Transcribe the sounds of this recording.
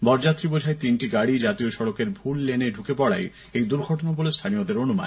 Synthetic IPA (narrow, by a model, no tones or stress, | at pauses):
bɔɾd͡ʑat̪ːɾibod͡ʑʱaet̪inʈiɡaɽid͡ʑat̪ioʃɔɽokeɾbʱulːeneɖʱukepɔɽa̰j | ejd̪uɾɡʱɔʈonabolest̪ʰaniod̪eɾonuma̰n